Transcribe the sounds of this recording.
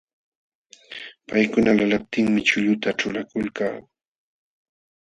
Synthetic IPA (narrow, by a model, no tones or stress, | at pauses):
pajkʊnalalap̚t̪ɪŋmɪt͡ʃʊʎʊt̪aʈ͡ʂʊlakʊlka̰ː